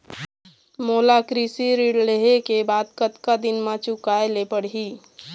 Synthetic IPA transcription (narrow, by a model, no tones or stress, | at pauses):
moːlakɾisiɾiɽleɦekebaːd̪kət̪kad̪inmãt͡ʃukaelepəɽ̤ɦi